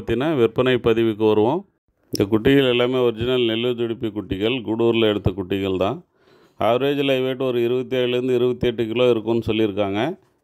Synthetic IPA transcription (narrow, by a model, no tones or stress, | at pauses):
t̪ːɪnɐʋɪɾpːɐnɐɪpɐðɪʋɯkːɯʋɐɾɯʋõː | ɪnd̪ɐkʊʈːɪɣɐɭɛlːaːmeːɔɾɪd͡ʒɪnɐlnɛlːɯt̪ʊɽɪpːikʊʈːɪɣɐɭɡʊɽuːɾɪlɐɛɽɯt̪ːɐkʊʈːɪɣɐɭt̪ãː | aːɾeːd͡ʒɪlɐːʋeːʈːɯɔɾɯɪɾɯbɐt̪ːiaːjɪlɪɾɯnd̪ɯɪɾɯbɐt̪ːiɛʈːɯkɪloːɪɾɯkːʊ̃nːɯsɔlːɪɾɯkːaːŋɡɐ